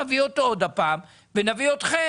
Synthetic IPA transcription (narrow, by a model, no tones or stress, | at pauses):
aviot̪ood̪apaːm | venaviot̪χe